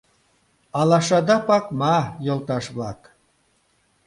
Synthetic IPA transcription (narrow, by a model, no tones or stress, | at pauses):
ɑlɑʃɑd̪ɑpɑkmɑjŏlˠt̪ɑʃβlɑk